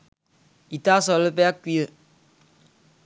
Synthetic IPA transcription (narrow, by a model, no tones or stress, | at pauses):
itaːsɔlɨbɛakʷiə